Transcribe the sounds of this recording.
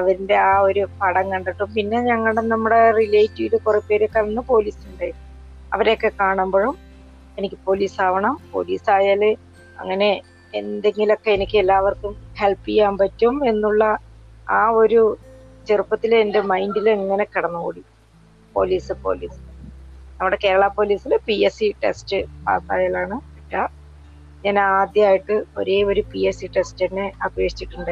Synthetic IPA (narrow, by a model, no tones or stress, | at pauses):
ɐʋɐɾinde̞aːo̞ɾupɐɽɐŋkɐɳɖiʈːumpinːe̞ɲɐŋːɐɭɽenɐmːuɽe̞rilejtːiilukurɐpːe̞ːɾekːɐɭɐnːɨpo̞ːliːsuɳɖaːji | ɐ̰ʋɐɾeokːe̞kaːɳumboːɻum | e̞nikʲːɨpo̞ːliːsaːʋɐɳɐmpo̞̰ːlḭːsaːjaːlɨ | ɐ̰ŋːɐne̞ː | nd̪e̞ŋɡilo̞kːe̞enikʲːɨelːaːʋɐrkumhe̞lpːijːaːmpɐtːume̞nːuɭːɐ | aːo̞ɾut͡ɕerupːɐt̪ːilende̞mɐjndileŋːɐne̞kɐɽɐnːukṵːɽi | po̞̰ːliːsɨpo̞̰ːliːsinɐmːuɽe̞ke̞ːɾɐɭɐpo̞ːliːsilɨpiesiʈe̞̰stɨpa̰ːt̪ːaːjaːlaːɳɨpɐtːa | ɲaːnaːd̪jɐaːjiʈːɨo̞̰ɾeːo̞ɾupiesiʈe̞stenːeɐbʱeːʂi̥t͡ɕːiʈːuɳɖɨ